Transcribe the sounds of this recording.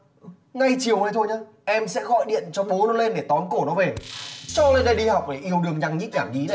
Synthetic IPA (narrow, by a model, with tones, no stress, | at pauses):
ŋa˧jt͡ɕi˨˩əwnə˨˦jt̪ʰo˧jɲaː˧ | ʔɛ˧msɛ̰˧˥ɣɔ̰˧˨jɗḭ˧˨ənt͡ɕɔ˧ɓo˨˦nɔ˨˦le˧nɗe˧˩t̪ɔ˨˦nko˧˩nɔ˨˦ve˨˩sɔ˧le˧nɗə˧˩jɗi˧ha˨˩wk͡p̚ɗe˧˩ʔi˧˩əwɗɨ˨˩əŋɲa˧˩ŋɲi˦˥ɲaː˧˩mʔi˨˦na˨˩j